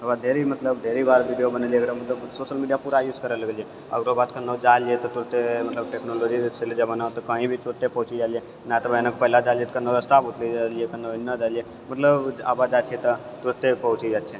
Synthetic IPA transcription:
əbad̪ʱeːɾimət̪ləbd̪ʱeɾibaːɾʋiɖijobənəlieɡəɾmət̪ləbsoːʃəlmiɖijapuːɾajuːd͡ʒkəɾələɡəlije | ə̰ɡɾobaːt̪kənːod͡ʒalijet̪ɔt̪ʊɾt̪emɐt̪ləb̚ʈeknolod͡ʒiɾt͡ʃʰeled͡ʒəbanat̪okəĩbʱit̪uɾət̪ːepɐɦʊt͡ʃid͡ʒaːlije | nat̪əbəenəkpəɦlad͡ʒaliet̪kənːoɾəst̪abut̪lid͡ʒaliekənːonːəd͡ʒaːlije | mət̪ləba̰ːbad͡ʒaːt͡ʃʰet̪ɔ | t̪ʊɾət̪ːepɐɦʊt͡ʃid͡ʒaːʃʰe

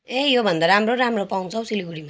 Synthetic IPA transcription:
ejobʱʌnd̪aɾamroɾamropaw̃t͡sʰʌw̃siliɡuɽima

